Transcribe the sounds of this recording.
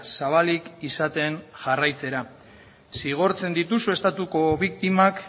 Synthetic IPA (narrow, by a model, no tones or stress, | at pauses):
saβ̞alikisat̪e̞nʝarajt͡se̞ɾa | siɣ̞o̞ɾt͡se̞nd̪it̪usue̞st̪at̪uko̞βik̚t̪imak